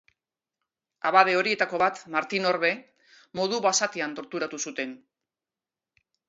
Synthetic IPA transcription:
aβaðe̞o̞ɾie̞t̪ako̞βat̪maɾt̪ino̞ɾβe̞ | mo̞ð̞uβasat̪eant̪o̞ɾt̪uɾat̪usut̪e̞n

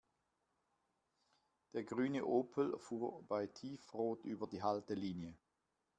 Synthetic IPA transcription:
d̥eːɐɡʁyːnəʔoːpʰəl̩fuːb̥aɪtʰiːfʁoːtʔyːbɐdiːɦaltəliːnjə

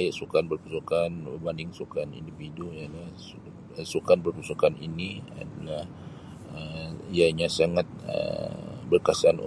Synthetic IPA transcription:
jaʔsukanbərpusukanbəbandɪŋsukanḭndividujalah | sukanbərpusukaninia̰dalah | əijaɲasaŋat̪̚ə̰bərkasan̰

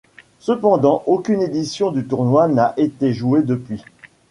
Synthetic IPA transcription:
səpɑ̃d̪ɑ̃ʔokʲyned̪isjɔ̃d̪yt̪uʁnwanaʔet̪eʒued̪əpɥi

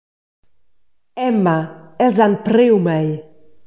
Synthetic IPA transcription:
ɛmaɛlzanpɾewmɛj

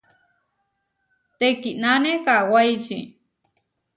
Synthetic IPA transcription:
t̪ekiʔnanekawajt͡ʃḭ

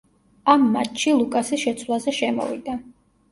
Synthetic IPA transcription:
amːa̰t̪ʃilˠukʼasiʃɛt̪sʰwlˠazɛʃɛmɔ̰vid̪a

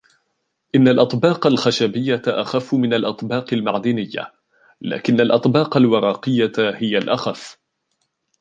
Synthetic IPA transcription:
ʔɪnːalʔɑt̪ˤbɑːqɑlxaʃabɪjːaʔaxafːʊmɪnalʔɑt̪ˤbɑːqɪlmaʕd̪ɪnɪjːa̰ | la̰ːkɪnːalʔɑt̪ˤbɑːqɑlwɑɾˤɑːqɨjːahɪjalʔaxaf

